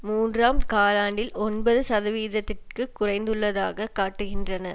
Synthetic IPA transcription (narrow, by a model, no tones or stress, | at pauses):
muːndraːmkaːlaːɳɖɪlɔnbɐðɯsɐðɐʋiːðɐt̪ːɪrkɯkːʊrɐɪnd̪ɯɭːɐðaːɣɐkaːʈːɯɣɪndrɐnɐ